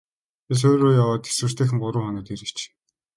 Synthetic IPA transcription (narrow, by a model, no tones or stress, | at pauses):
es̬oːɾoːjawaːt̪e̥swɘ̆r̥t̪ʰeːxɘ̆ŋɢʊɾʊːχɔnɔːt̪iɾɘ̆t͡ɕ